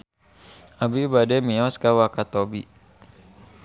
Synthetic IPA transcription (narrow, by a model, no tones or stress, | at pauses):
ʔabiːbadɛmiɔskawakat̪obi